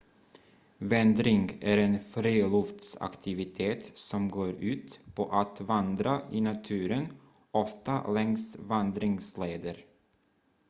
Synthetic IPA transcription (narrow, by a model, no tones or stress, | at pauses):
vɛnd̪ɾɪŋɡæɾɛnfɾiːlɔft̪sa̰kt̪ʰɪvɪt̪ʰeːt̪sɔmɡoːɾʉ̟ːt̪pʰɔʔat̪vand̪ɾaʔɪnat̪ʰʉ̟ːɾən | ɔft̪a̰lɛŋsvand̪ɾɪŋsleːd̪əɾ